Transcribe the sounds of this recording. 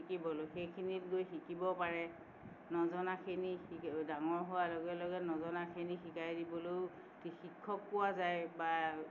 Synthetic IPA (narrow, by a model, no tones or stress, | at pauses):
ikibɔlojxejkʰinitɡojxikibɔpaɹɛ | nɔzɔnakʰinixidaŋɔɹɦowaloɡɛlɔɡɛnɔzɔnakʰinixikajdibɔloj | tixikʰːɔkːʊwazajba